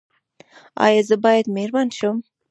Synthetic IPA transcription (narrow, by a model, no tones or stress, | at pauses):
ɑ̰jɑzəbɑjad̪meɾmɑnʃʊm